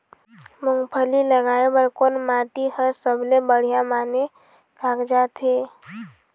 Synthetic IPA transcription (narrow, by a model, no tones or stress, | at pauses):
mʊŋɡpʰəliləɡaːebəɾkoːnmaːʈihəɾsəbʱlebəɽ̤ijamaːne | bʱaːɡd͡ʒat̪ɦeː